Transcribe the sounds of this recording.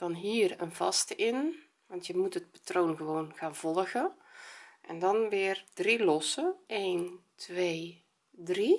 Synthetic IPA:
d̥ɑnɦiːrənvɑstəʔɪn | ʋɑntjəmutɦət̚patroːnɣəʋownɣaːnv̥ɔlˠɣə | ʔɛndɑnʋɪːrd̥rilɔsəeːntʋej | dri

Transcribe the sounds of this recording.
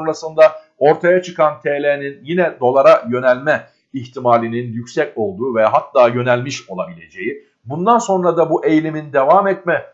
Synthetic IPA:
onɾasɯnd̪a | o̞ɾt̪ʰajat͡ʃʰɯkant̪ʰeːlʲeninjinɛd̪o̞lˠaɾajø̞nɛlʲmɛ | içt̪ʰimaːlʲininjycʲsɛco̞lˠd̪uːvɛɦat̪ːaːjø̞nælʲmiʃo̞lˠabilʲe̞d͡ʒe̞ji | bund̪anso̞nɾad̪abuʔe̞jlʲimind̪e̞vaːmɛt̪̚mɛ

